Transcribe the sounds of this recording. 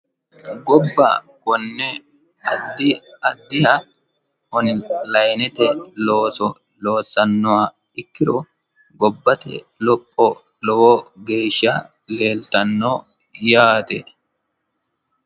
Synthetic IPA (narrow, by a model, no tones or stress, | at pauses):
ɡɔbːɐ̰kɔnːɛ | ɐd̪ːɪɐd̪ːɪhɐ | ɔnlɐjnɛt̪ɛloːsɔ | lo̞ːsːɐnːɔwa | ɪkːɪɾɔ | ɡɔbːɐt̪ɛ̰ | lɔpʼːɔ | lɔwɔɡeːʃːɐ | leːlt̪ɐnːɔː | jaːt̪ɛ